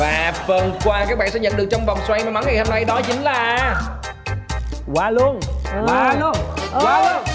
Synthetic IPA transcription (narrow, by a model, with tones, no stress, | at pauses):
vaː˨˩fə˨˩nkwaː˧kaː˦˥ɓ̰ːnsɛ̰˧˥ɲə̰˧˨nɗɨ˨˩ək̚t͡ɕɔ˧wŋ͡mvwŋ͡mswa˧jma˨˩ma˨˦nŋa˨˩jho˧mna˧jɗɔ˨˦t͡ɕï˨˦ŋ̟laː˨˩ | kwaː˨˧˩lu˧ənwaː˧lu˧ənkwaː˧ln